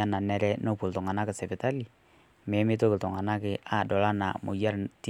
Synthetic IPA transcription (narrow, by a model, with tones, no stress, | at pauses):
a˦na˨nɛ˦ɾɛ˦no˦pu˨ltɔ˨ŋa˨na˦kɪ˨sɛ˨pɪ˨ta˦li˨ | mɛ˨˦mɪ˦to˦kɪ˨tɔ˨ŋa˨na˦kɪ˨a˨dɔ˨la˦na̰˨mʊ̰˨ja˦ɾti˦